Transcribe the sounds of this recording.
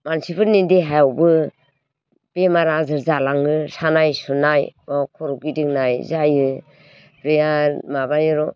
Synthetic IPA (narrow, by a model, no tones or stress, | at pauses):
mansibʰɯɾnindeɦajawbɯ | b̥emaɾazɯɾzalaŋɯsanajsunajɔkʰɔɾɔɡidɯŋnajzajɯ | pɾijamabajɯɾɔ